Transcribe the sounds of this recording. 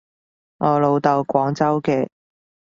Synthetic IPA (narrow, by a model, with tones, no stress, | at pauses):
ŋʔɔː˨˧lo˨˧wt̪ɐ˨wkʷɔː˨˥ŋt͡sɐ˥wkɛː˧